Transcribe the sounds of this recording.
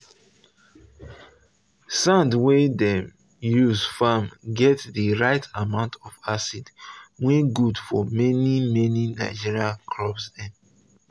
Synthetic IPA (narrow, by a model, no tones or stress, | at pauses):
sãndwedɛm | juzfamɡɛtdiɹaɪtʰamãʊ̃ntʰɔfasid̥weɡudfɔmɛnimɛninaɪd͡ʒiɹiakʰlɔbsɛ̃n